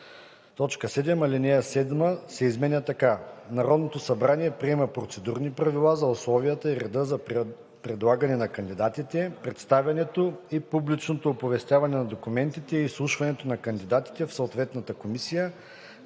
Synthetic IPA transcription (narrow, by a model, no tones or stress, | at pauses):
t̪ɔt͡ʃkəsɛd̪ɛmɐlʲinɛjəsɛd̪məsɛizmɛnʲət̪ɐkanɐɾɔd̪not̪osɐbɾaniɛpɾiɛmɐpɾot̪sɛd̪uɾnipɾɐvilˠazɐʊslˠɔvijət̪əiɾɛd̪əzɐ | pɾɛd̪lˠaɡɐnɛnɐkɐnd̪id̪at̪it̪ɛpɾɛt̪st̪avʲjɐnɛt̪oipublit͡ʃnot̪oːpovɛst̪ʲjavɐnɛnɐd̪okumɛnt̪it̪ɛiːslˠuʃvɐnɛt̪onɐkɐnd̪id̪at̪i̥t̪ɛfsooːt̪vɛt̪nɐt̪əkomisijə